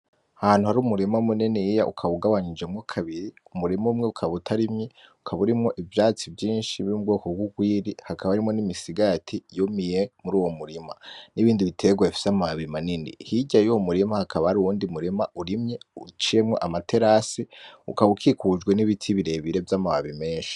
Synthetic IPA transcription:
ahan̥huhaɾuːmuɾimaumunenijaʔṵkʰaβuɡaβaɲid͡ʒemŋokʰaβiɾiumuɾimamŋeukʰaβutʰaɾimɲeukʰaβuɾimŋo̞ʔivjaːt͡sivjiːnʃiβumubɡoːko̞ɡwuɡwiːɾihakʰaβaɾimŋo̞nimisiɡatʰijomijemuɾuːwo̞muɾimaniβiːndiβitʰe̞ɡwaefi̥samaβaβimanindḭhiɟajuwomuɾimahakʰaβaɾuuːndimuɾimauɾimɲeut͡ʃijemŋo̞ʔamatʰe̞ɾasiṵkaβukʰikud͡ʒɡwe̞niβitʰiβiɾe̞βiɾe̞vjamaβaβime̞ːnʃi̥

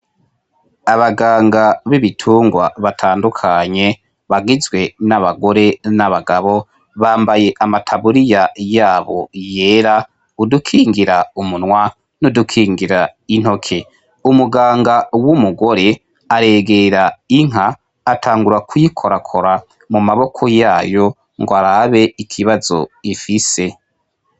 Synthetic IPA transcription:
aβaɡaːŋɡaβiβitʰuːŋɡwaβatʰaːndukʰaɲe̞ | βaɡizɡwe̞naβaɡo̞ɾe̞naβaɡaβo̞ | βaːmbaje̞ʔamatʰaβuɾijajaːβo̞̰je̞ːɾa | udukʰiːŋɡiɾaumunwa | nudukʰiːŋɡiɾain̥ho̞kʰe̞ | umuɡaːŋɡawumuɡo̞ɾe̞ | aɾe̞ɡe̞ɾaiŋ̥aː | tʰaːŋɡuɾakwjikʰo̞ɾakʰo̞ɾa | mumaβo̞kʰo̞jaːjo̞ | ŋɡoaɾaβe̞ikʰiβazo̞̰ifise̞

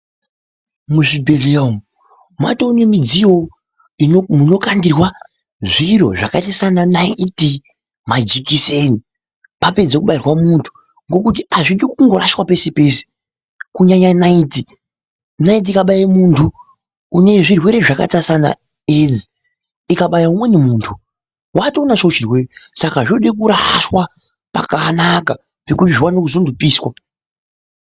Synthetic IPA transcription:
muʐibʱe̞ɮeom | ma̰tonimid͡zijo | imuno̞kandirwa | ʐiro̞̰ʐakatasananaiti | mad͡ʒikiseni | pape̞d͡zekuɓairwamuntʰu̥ | ŋɡo̞kutiaʐiɗikuŋɡoɾaʃwape̞sepe̞ːse̥ | kuɲaɲanaiti | nait̬iikaɓajimuːntʰu | une̞ʐirwe̞ɾe̞ʐaka̰tasana̰ | ed͡zi | ikaɓajaumwe̞nemuːntʰu | watoːnat͡ʃot͡ʃirwe̞ːresakaʐinoɗekuɾaswa | pa̰kanaka | ʐekutiʐiwanokuzundupiːswa

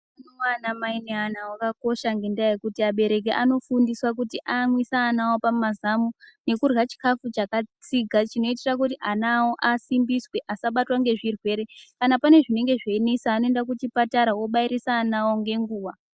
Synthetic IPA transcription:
anowanamaineanawakako̞ʃaŋɡe̞ndajekutiaɓe̞ɾe̞k̬e̞ʔano̞fundiswak̬utiʔamwisaːnawo̞pamazamune̞kurwat͡ʃi̥kafut͡ʃakat͡siɡʱat͡ʃino̞itirak̬utiʔanawoʔasimbiswe̞ʔasaɓatwaŋɡe̞ʐirwe̞ːɾe̞kanapane̞ʐine̞ŋɡe̞ʐeinisaːno̞e̞ndak̬utipataɾawo̞ɓaiɾisaːnawo̞ŋɡe̞ŋɡuːwa

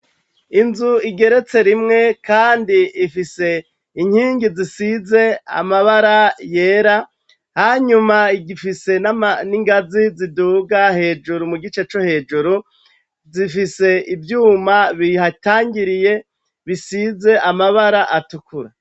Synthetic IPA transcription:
inzuiɡe̞ɾe̞t͡se̞ɾimŋe̞kaːndiifise̞ | iɲ̥hiːŋɡizisize̞a̰maβaɾaje̞ːɾa | haːɲumaiɡifise̞naaniŋɡaziziduːɡahe̞ːd͡ʒuɾumuɡit͡ʃe̞t͡ʃo̞he̞ːd͡ʒuɾu | zifise̞ivjuːmaβihataːŋɡiɾije̞ | βisize̞ʔamaβaɾaʔatukuɾa

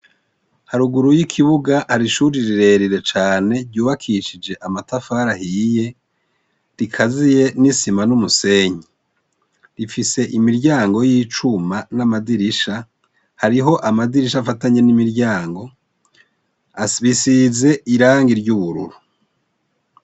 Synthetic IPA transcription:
haɾuɡuɾujikʰiβuɡahaɾiʃuɾiɾiɾe̞ɾiɾe̞t͡ʃaːne̞ɾɟuːβakʰiʃid͡ʒe̞ʔamatafaːɾahije̞ | ɾikʰazije̞nisimanumuse̞ːɲi | ɾifise̞ʔimiɾɟaːŋɡo̞jiːt͡ʃumanamadiɾiʃa | haɾiɦo̞ʔamadiɾiʃafataɲe̞nimiɾɟaːŋɡo̞ | aβisize̞ʔiɾaːŋɡiɾɟuβuɾṵɾu

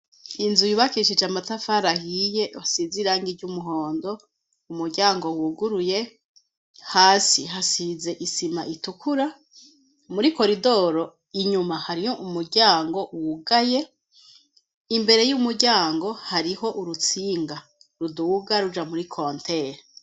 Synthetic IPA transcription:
inzujuβakiʃid͡ʒamatafaɾahije̞βasiziɾaːŋɡiɟumuɦo̞ːndo̞ | umuɾɟaːŋɡo̞wuɡuɾuje̞ | haːsiɦasize̞ʔisimaʔitukuɾa | muɾiko̞ɾido̞ɾo̞ | iɲumahaɾihoʔumuɾɟaːŋɡo̞wuɡaje̞ | imbe̞ɾe̞jumuɾɟaːŋɡo̞haɾiho̞ʔuɾut͡siːŋɡa | ɾuduːɡaɾud͡ʒamuɾikʰontʰe̞ɾe

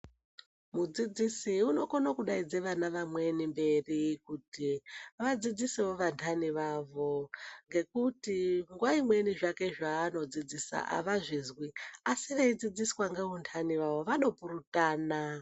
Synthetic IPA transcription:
mud͡zid͡zisiuno̞konokuɗaid͡ze̞ʋanaʋamwe̞nimbe̞rikutiʋad͡zid͡ziseoʋantʰaniʋaːʋo̞ŋɡe̞kutiŋɡwaimwe̞niʐake̞ʐaːno̞d͡zid͡zisa̰ʔa̰ʋaʐizwiasiʋaid͡zid͡ziswaŋɡeɦuntʰaniʋaʋo̞ʋaɗo̞purutaːna

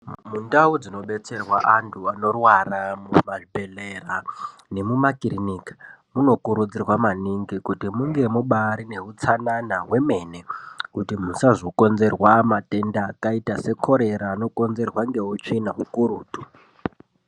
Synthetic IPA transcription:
mundaud͡zino̞ɓe̞t͡se̞rwaʔantʰuano̞rwaramumaʐibʱe̞lera | ne̞mumakirinikḁmuno̞kuɾud͡zirwamaniŋɡikutimuŋɡe̞muɓaɾine̞ut͡sananaɦwe̞me̞ne̞kutim̤usaʐo̞ko̞nze̞rwamate̞ndaːkaitase̞kʰo̞ɾe̞ɾaːno̞ko̞nze̞rwaŋɡe̞ut͡ʃinaɦukuɾuːtu

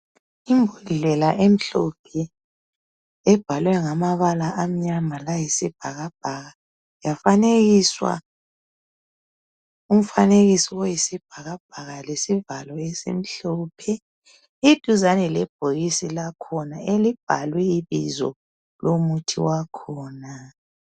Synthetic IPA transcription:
imbʱulɮɛlaʔem̩ɬɔpʰɛ | ɛb̥ʱalwɛŋamaβalaʔam̩ɲamalajisib̥ʱaɣab̥̚ʱaɣa | jafaneɣiswa̰ | um̩faneɣisiwojisib̥ʱaɣab̥̚ʱaɣalesivalɔesḭm̩ɬɔːpʰɛ | id̥ʱuzanɛlɛb̥̚ʱoɣisilakʰɔnaelib̥ʱalwɛiβḭzɔ̰ | lomutʰḭwakʰɔːna

